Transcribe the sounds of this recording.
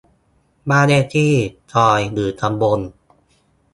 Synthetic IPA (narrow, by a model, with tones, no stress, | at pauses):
baː˥˩neː˥˩t̪ʰiː˥˩t͡ɕʰɔː˧jlɯː˨˩˦t̪ʰa˧mbo˧n